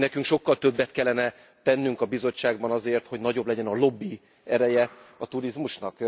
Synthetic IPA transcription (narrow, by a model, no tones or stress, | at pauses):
nɛkyŋkʃo̞kːɒlt̪ø̞bːɛt̪kɛlːɛnɛ | t̪ɛnːyŋkɒbizo̞t͡ʃːaːɡ̚bɒnɒzeːrt̪ho̞ɟnɒɟo̞blɛɟɛnɒlo̞bːi | ɛɾɛjɛɒt̪uɾizmuʃnɒk